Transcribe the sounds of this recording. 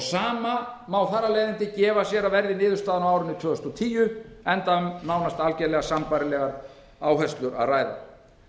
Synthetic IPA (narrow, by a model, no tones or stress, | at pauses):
saːmamawθarːalejðɪnt̪ɪcɛːvasjɛɾavɛɾðɪnɪːðʏɾst̪aːðanawawɾɪʏnʏt̪ʰvœːʏst̪ɔt̪ʰiːjʏɛnt̪aʏmnawnast̪alcɛlɛɣasampaːɾɪlɛɣaɾ | aːwɦɛst̪lʏɾa̰ðraːjða̰